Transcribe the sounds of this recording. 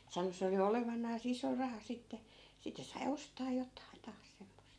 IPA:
sɑno se oli oleʋɑnˑɑːs iso rɑhɑ sitːe sitːĕ sɑi ostɑː jotˑɑin tɑːs semːost

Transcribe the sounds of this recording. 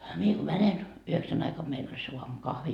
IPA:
mie ko mænen yheksæn ɑikɑm meil ol se uɑmukɑhʋi

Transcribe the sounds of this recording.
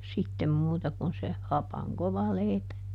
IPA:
sitːem muːtɑ kun se hɑpɑŋ koʋɑ leˑipæ

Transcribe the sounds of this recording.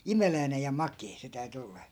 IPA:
imelæinej jɑ mɑkeː se tæy̞ty olːɑ̥

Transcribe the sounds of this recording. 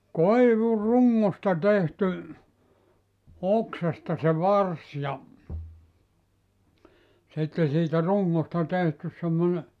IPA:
koiʋuruŋːostɑ tehty oksɑstɑ se ʋɑrs jɑ sitːe siːtæ ruŋːostɑ tehtys semːone

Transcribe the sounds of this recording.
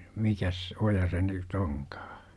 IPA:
mikæs ojɑ se nyt oŋkɑ̥ː

